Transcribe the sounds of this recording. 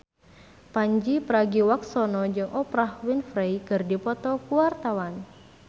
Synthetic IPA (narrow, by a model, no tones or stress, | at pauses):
paɲd͡ʒipəɾaɡiwak̚sɔnɔd͡ʒɨŋʔɔpɾahwinfɾejkɨrdipɔt̪ɔkuwart̪awan